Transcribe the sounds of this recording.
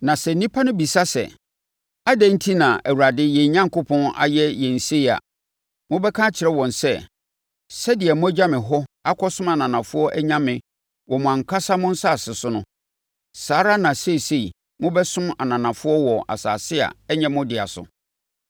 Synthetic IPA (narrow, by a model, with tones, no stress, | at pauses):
nã˨sɛ˨nĩ˦pʰa˦nʊ̃˦bi˨sa˦sɛ̰˨ | a˦dæ̃˦n̩˦tʰi˦nã˨ʔæ˨wu˨ɾa˨dɪ˦jɛ˨ɲã˦ŋ˨kʊ˦pʰɔ̃˦na̰˨jɛ˦jɛ˨n̩˨se˦i˨a̰˨ | mʊ̃˦bɛ˦kʰã˦t͡ɕʰɪ˨ɾɛ˦wɔ̃˨nsɛ˦ | sɛ˦dɪ˨ɛ˨mʊ̃˦æ˦d͡ʑa˦mɪ̃˨ɦɔ˦a˦kʰɔ˦sʊ̃˦ma˨nã˨nã˨fʊ˦ɔ˦ʔæ˦ɲã˦mɪ̃˨ | wɔ˨mʊ̃˨ã˨ŋ˨kʰa˦sa˦mʊ̃˦n̩˦sa˦˨sɪ˨sʊ˦nʊ̃˦ | saː˨˦ɾa˦nã˨se˦˨se˨i˨ | mʊ̃˦bɛ˦sʊ̃˦ma˨nã˨nã˨fʊ˦ɔ˦wɔ˨a̰˨saː˨sɪ˦a̰˨ɛ˦ɲɛ̃˦mʊ̃˦dɪ˨a̰˨sʊ̰˨